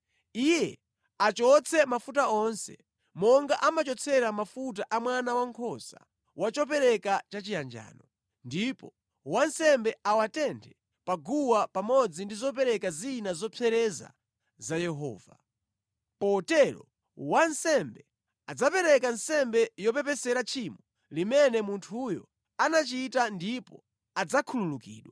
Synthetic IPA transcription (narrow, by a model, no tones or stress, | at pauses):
ijɛ | at͡ʃɔt͡sʰɛmafutaɔnsɛ̰ | mɔŋɡaʔamat͡ʃɔt͡sʰɛɾamafut̬aʔamwanawaŋkʰɔsa̰ | wat͡ʃɔp̬ɛɾɛkat͡ʃat͡ʃijand͡ʒa̰ːnɔ | ndipɔ | wansɛmbɛawatɛntʰɛ | paɡuwapamɔd͡zindizɔpɛɾɛkazinazɔpʰɛɾɛza̰ | zajɛɦɔ̰ːva | pɔtɛɾɔ̰ | wansɛmbɛ | ad͡zapɛɾɛkansɛmbɛjɔpɛpɛsɛɾat͡ʃʰimɔ | limɛnɛmuntʰujɔ̰ | anat͡ʃitandipɔ | ad͡zakʰululukḭːɗwa